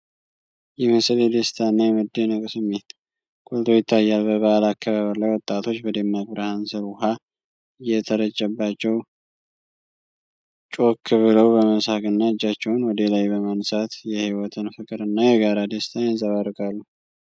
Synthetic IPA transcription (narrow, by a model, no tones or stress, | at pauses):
jɛmɨsɨled̪est̪ʰanːajɛmɨd̪ːenɨkʼsɨmːe̞t̪ | kʼolt̪ʰo̞jɪt̪ʰːajːalbəβəʔalakːaβaβəɾlajwɔt̪ʼːat̪ʰo̞t͡ʃːbəd̪emːaɡ̚bɾəhansɨɾuɦa | ɨjːɛt̪ʰəɾət͡ʃːəbːat͡ʃːɛw | t͡ʃʼo̞kʰːɨβɨləwbəməsaɡʼɨnːaɨd͡ʒːat͡ʃːɛwʊnwɔd̪elajbəmansat̪jɛhiwɔt̪ʰɨnfɨkʼɨɾɨnːajɛɡaɾad̪est̪ʰanɪzəβaɾɨkʼalːu